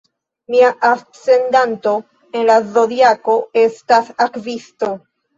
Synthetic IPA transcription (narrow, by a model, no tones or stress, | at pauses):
miaʔa | se̞ndanto̞ | e̞nlazo̞diako̞e̞stasakvisto